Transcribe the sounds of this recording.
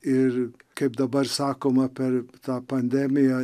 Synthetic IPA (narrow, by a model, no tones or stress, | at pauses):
ɪɾkebd̪ɐbɐɾsaːkomɐpɛɾt̪aːpɐnd̪eːmɪja